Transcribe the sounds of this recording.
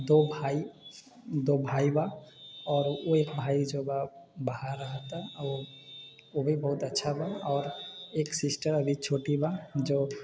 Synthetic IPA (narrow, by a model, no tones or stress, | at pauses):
d̪obʱai | d̪obʱaibaɔːɾoekbʱaːid͡ʒobabaɦaɾːəɦət̪ao | obʱibɐɦʊt̪ətːʃʰabaɔːɾeksɪsʈəɾəbʱit͡ʃʰoʈibad͡ʒo